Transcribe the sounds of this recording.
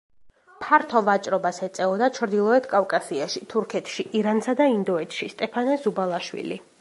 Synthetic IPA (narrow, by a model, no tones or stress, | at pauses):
pʰaɾt̪ʰɔvat͡ʃʼɾɔbasɛt̪sʼɛɔd̪at͡ʃʰɾd̪ilˠɔɛt̪ʰkʼafkʼasiaʃit̪ʰuɾkʰɛt̪ʰʃiʔiɾansad̪aind̪ɔɛt̪ʰʃist̪ʼɛpʰanɛsubalˠaʃwḭlḭ